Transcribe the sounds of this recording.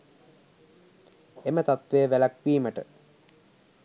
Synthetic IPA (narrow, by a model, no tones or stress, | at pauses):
emət̪at̪ʋeːʋælakʋiːməʈə